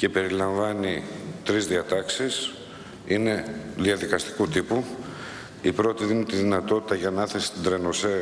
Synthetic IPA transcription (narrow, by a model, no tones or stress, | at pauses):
ce̞pe̞ɾilɐɱvɐnit̪ɾizðiɐt̪ɐksis | ine̞ðiɐðikɐst̪i̥kut̪ipu | ipɾo̞t̪iðinit̪iðinɐt̪o̞t̪i̥t̪ɐʝɐnɐθesi̥t̪id̪ɾe̞no̞se